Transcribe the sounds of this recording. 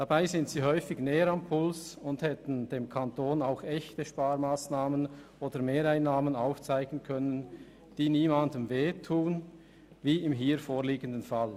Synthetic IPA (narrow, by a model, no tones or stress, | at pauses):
d̥abaɪzɪntsiːɦɔʏfɪɡnɛːəɾampʰʊlsʊnthɛtn̩d̥eːmkʰantoːnaʊxɛçtəʃpaːɾmaːsnaːmənʔoːdəmeːɾaɪnːaːmənaʊft͡saɪɡ̥n̩kʰœnən | d̥iːniːmandəmveːtʰuːn | viːɪmɦiːɾfoːʁliːɡəndənfal